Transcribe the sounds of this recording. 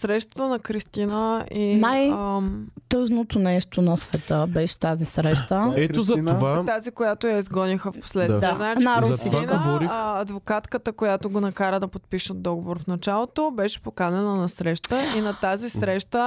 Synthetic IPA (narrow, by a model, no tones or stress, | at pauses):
sɾɛʃt̪ə̥t̪ənɐkɾist̪inəinaj | t̪ɤʒnot̪onɛʃt̪onɐsvɛt̪əbɛʃɛ̥t̪azisɾɛʃt̪əɛozɐovat̪azikojat̪ojɐizɡɔnixəfpo̥slɛt̪iɛznat͡ʃnaɾinovɔɾiɐd̪vokat̪kət̪əkojat̪oɡonɐkaɾəd̪ɐpot̪̚piʃəd̪ɔɡovoɾfnɐt͡ʃalˠot̪obɛʃɛ̥pokanɛnɐnɐsɾɛʃt̪əinɐt̪azisɾɛʃt̪ə